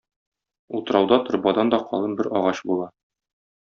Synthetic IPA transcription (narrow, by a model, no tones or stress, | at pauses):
ut̪ɤ̆ɾɑwd̪ɑt̪ŏɾbɑd̪ɑnd̪ɒqɒ̰lˠɤnbɘɾɒʁɑɕbulˠɑ